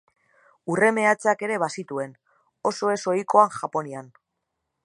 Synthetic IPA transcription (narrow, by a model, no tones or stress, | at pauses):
ure̞me̞at͡sake̞ɾe̞βasit̪ue̞n | o̞so̞e̞so̞iko̞aŋxʝapo̞nian